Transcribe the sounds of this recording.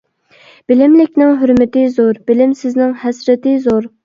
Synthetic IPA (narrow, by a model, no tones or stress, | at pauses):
b̥ɪlɪmlɪkʲnɪŋɦøɾmɪt̪ɪzoɾb̥ɪlɪmsɪznɪŋhɛsɾɪt̪ɪzoɾ